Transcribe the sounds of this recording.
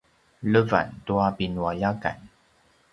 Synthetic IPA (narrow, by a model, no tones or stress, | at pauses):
ləva̰nt̪uapinwajaka̰n